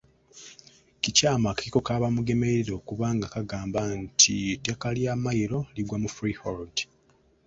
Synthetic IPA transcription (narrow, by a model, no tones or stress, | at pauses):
cicaːmakaciko̞kaːβamuɡe̞me̞eɾo̞ːkuβaːŋɡakaɡaːmbantʰitakaljamajiɾo̞liɡwamufɾihold